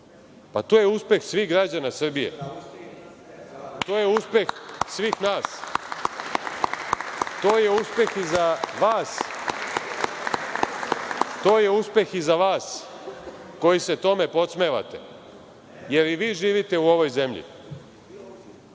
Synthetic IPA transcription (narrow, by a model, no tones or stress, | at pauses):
pat̪oːjeuspe̞xsʋiːɣɡɾad͡ʑanasr̩bije̞̰ | t̪oːjeuspe̞xsʋiːxnaːs | t̪oːje̞uspe̞xizaʋaːs | t̪oːje̞uspe̞xizaʋaːs | ko̞jise̞t̪o̞me̞po̞t̪sme̞ːʋa̰t̪ḛ | je̞ɾiʋiːʒiːʋit̪e̞uo̞ʋo̞jzemʎḭ